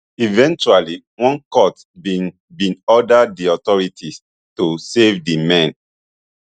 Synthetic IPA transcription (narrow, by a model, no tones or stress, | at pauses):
ivɛ̃nt͡ʃuali | wɔ̃nkɔt | i | bĩnɔdaddiɔtɔɹitʰis | tusevdimɛ̃n